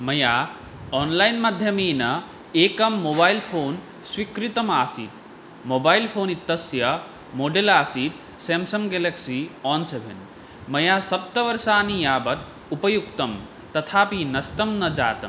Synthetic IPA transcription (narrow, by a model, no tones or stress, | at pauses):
mɐjaː | ɔːnlaːjnmad̪ʱjɐmeːnɐ | eːkɐmːoːbaːjlpʰoːn | swikɾit̪ɐmaːsḭ | moːbaːilpʰoːnit̪ːɐsjɐ | moːɖelaːsiːt̪̚ | seːmsɐmɡeleksiɔːnsebʱḛn | mɐjaːsɐp̚t̪ɐʋɐɾsaːnijaːbɐt̪ | upɐjukt̪ɐm | t̪ɐt̪ʰaːpinɐst̪ɐmnɐd͡ʒa̰ːt̪ɐ̰m